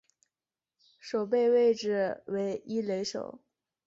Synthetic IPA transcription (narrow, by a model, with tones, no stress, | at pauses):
ʂo˨˩ʊp̬e˥˧ɪwe˥˧ɪʈ͡ʂɻ̩˨˩we˧˥ɪi˥le˧˥ɪʂo̰˨˩˦ʊ